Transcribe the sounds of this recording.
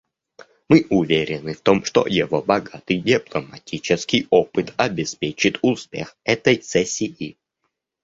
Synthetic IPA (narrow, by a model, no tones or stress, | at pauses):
mɨʔʊvʲeɾʲɪnɨft̪o̞mʂt̪o̰jɪvobɐɡat̪ɨjdʲɪplˠəmɐtʲit͡ɕɪskʲɪjopɨt̪ɐbʲɪspʲet͡ɕɪt̪ʊspʲe̞̰xɛt̪əjsɛsʲːiji